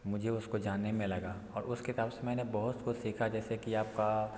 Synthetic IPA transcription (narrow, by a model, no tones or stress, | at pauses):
mʊd͡ʒʱeʊskod͡ʒaːnːemẽlɐɡa | ɔːɾʊskɪsaːbsemɛ̃ːnebɐɦʊt̪xʊt͡ʃʰsiːkʰad͡ʒɛːsekiaːp̚ka